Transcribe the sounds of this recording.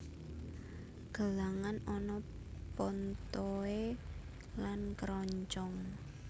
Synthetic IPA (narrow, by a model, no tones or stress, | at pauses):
ɡ̥ə̤laŋanɔnɔ | pɔnt̪ɔe | lankəɾɔɲt͡ʃɔŋ